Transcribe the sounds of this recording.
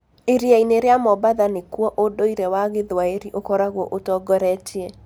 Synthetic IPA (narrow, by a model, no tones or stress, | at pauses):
iɾjaineɾjamɔbaðanɪkwɔʔodoiɾewaɡɪðwaeɾiʔokɔɾaɡwoʔotɔɡɔɾɛt͡ʃje